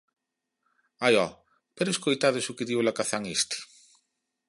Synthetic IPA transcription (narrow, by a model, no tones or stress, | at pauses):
ajɔ | peɾʊeskojt̪aðesʊkɪðiwlakaθaŋest̪i̥